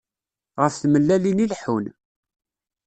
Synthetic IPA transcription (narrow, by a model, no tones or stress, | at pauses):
ʁəfθməlːælinilħun